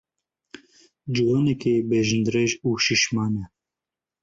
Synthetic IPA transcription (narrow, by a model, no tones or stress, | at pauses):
d͡ʒuwaːnɛkeːbeːʒɨnd̪ɾeʒuːʃiʃmɑːnɛ